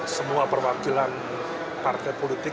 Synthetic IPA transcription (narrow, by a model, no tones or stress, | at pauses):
səmuapərwakilan | part̪ajpolit̪ɪ